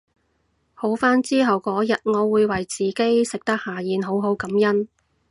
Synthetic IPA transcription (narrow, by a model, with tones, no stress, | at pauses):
ho˨˥wfaː˥nt͡siː˥ɦɐ˨wkɔː˨˥jɐ˨t̚ŋɔː˨˧wuː˨˧jwɐ˨˩jt͡siː˨ke˥jsɪ˨k̚t̪ɐ˥k̚haː˨jiː˨˧nɦo˨˥wɦo˨˥wkɐ˨˥mjɐ˥n